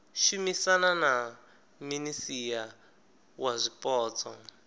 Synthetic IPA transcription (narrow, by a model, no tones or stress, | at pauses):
ʃumisanana | minisija | wazʷipʼɔːt͡sʰɔ